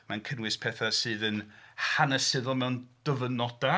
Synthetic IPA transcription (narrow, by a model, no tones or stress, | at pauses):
mankʰənwɪspʰɛθasɨːðənhanəsɪðʊlˠmɛwnd̥əvənɔda